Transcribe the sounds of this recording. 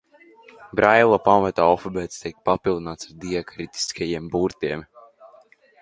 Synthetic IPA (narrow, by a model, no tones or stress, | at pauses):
bɾajlˠapamat̪aːɔfɔbɛːt̪st̪ik̚papilˠd̪inaːt̪saɾd̪iɛkɾit̪i̥skajiɛmbuɾt̪iɛm